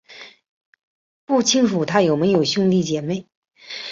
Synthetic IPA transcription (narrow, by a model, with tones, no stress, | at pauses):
pu˥˩t͡ɕʰi˥ŋʂu˨˩t̪ʰa˥jo˨˩ʊme˧˥ɪjo˨˩ʊɕu˥˧ŋli˥˩t͡ɕjɛ˨˩me˥˩ɪ